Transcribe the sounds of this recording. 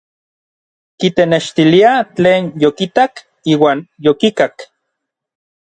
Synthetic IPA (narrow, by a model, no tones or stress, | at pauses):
kit̪eneʃt̪iliat͡ɬeːnjokit̪ak | iːwaːnjokikak